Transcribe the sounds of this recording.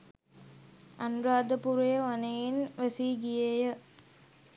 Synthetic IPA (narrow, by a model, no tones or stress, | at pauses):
ɐnuɾaːd̪əpuɾejɐʋɐnejinʋesiɡijejə